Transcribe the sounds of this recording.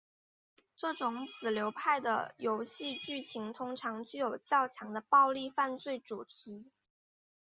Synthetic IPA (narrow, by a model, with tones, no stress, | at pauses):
ʈ͡ʂɤ˥˩ʈ͡ʂʊ˧˥ŋt͡sɹ̩˨˩ljo˧˥ʊpʰa˥˩ɪd̪ə̰˩jo˧˥ʊɕi˥˧t͡ɕy˥˩t͡ɕʰi˧˥ŋt̪ʰʊ˥ŋʈ͡ʂʰɑ˧˥ŋt͡ɕy˥˩jo˨˩ʊt͡ɕjɑ˥˩ʊt͡ɕʰjɑ˧˥ŋd̪ə˧pɑ˥˧ʊli˥˧fa˥˧nt͡swe˥˩ɪʈ͡ʂu˨˩t̪ʰi˧˥